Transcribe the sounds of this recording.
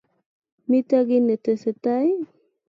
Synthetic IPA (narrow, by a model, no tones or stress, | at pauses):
mit̪aɡinət̪əsət̪aj